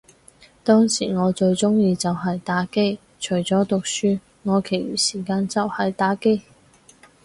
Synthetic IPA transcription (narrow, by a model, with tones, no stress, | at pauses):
t̪ɔː˥ŋsḭː˨˩ŋɔː˨˧t͡ʃɵ˧ɥt͡sʊ˥ŋjiː˧t͡sɐ˨wɦɐ˨jt̪aː˨˥ke˥j | t͡ʃʰɵ˨˩ɥt͡sɔː˨˥t̪ʊ˨k̚syː˥ | ŋɔː˨˧kʰe˨˩jɥy̰ː˨˩siː˨˩kaː˧nt͡sɐ˨whɐ˨jt̪aː˨˥ke˥j